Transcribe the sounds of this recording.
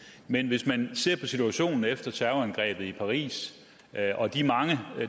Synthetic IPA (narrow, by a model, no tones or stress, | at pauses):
menʋe̝smænse̝ɐ̰pʰɒ̽sit͡sʰuæɕo̝̰ːnn̩efd̥ɐt͡sʰæɐʊænɡ̥ʁɛ̰ːb̥ð̩ˠipʰɑ̈ʁḭːs | ʔɒ̽d̥imɑ̈ŋə